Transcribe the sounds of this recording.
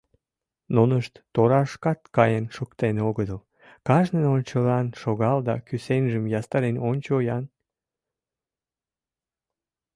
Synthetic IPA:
nonəʃt̪ːoɾɑʃkɑt̪kɑjənʃukt̪eneoɣəd̪əl | kɑʒnənonʲt͡ɕəlɑnʃoɣɑld̪ɑkysenʲʒəmjɑst̪ɑɾenonʲt͡ɕojɑn

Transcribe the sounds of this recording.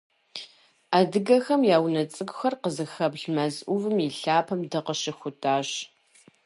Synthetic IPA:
aːdɨɡɐxɐmjaːwnɐt͡sʼɨɡʷxɐrqəzɨxɐbɮmɐzʔʷʊvɨmjiɬaːpʰɐmdɨqəʃɪxʷʊtʰʼaːɕ

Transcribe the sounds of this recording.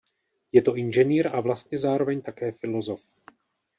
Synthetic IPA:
jɛt̪o̞ʔɪnʒɛniːɾavlast̪̚ɲɛzaːɾo̞vɛɲt̪akɛːfɪlo̞zo̞f

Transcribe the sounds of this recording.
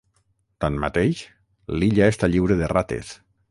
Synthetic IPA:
t̪anma̰t̪ejʃ | liʎaest̪aʎiwɾeðerat̪ḛs

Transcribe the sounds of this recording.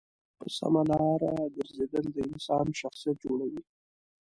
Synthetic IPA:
pə̰sa̰malɑɾaɡ̪əɾzed̪əld̪əɪnsɑnʃaxsijat̪̚d͡ʒoɽawi

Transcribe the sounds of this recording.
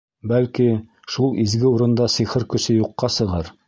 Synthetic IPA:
bælki | ʃulˠizɡɘuɾɤ̆nd̪ɑsiχɤɾkɵ̆sɘjuqːɑsɤ̆ʁɑɾ

